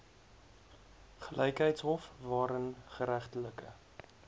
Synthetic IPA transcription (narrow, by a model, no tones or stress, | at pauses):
χəlɛjkɦəjtsɦɔfvɑːɾənχəɾæχtələkə̰